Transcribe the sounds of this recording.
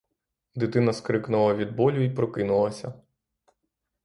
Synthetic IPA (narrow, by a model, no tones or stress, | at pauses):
d̪ɪt̪ɪnɐskɾɪknʊlˠɐʋʲid̪̚bɔlʲʊipɾɔkɪnʊlˠɐsʲɐ